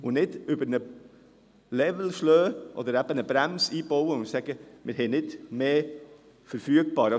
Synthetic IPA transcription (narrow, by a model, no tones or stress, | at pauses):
ʊnɪd̪ʏbəɾnə | lɛvl̩ʃløːʔɔ̰d̪əɾæb̥ənəbɾæmsiːboʊəʊ̃nsæɡ̥əmʔɪɾɦɛɪnɪd̪meː | fəɾfyəɡ̚b̥ɑːɾ